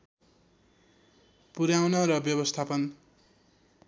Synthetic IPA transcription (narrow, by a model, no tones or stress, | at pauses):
puɾjawnʌɾʌbjʌbʌst̪ʰapʌn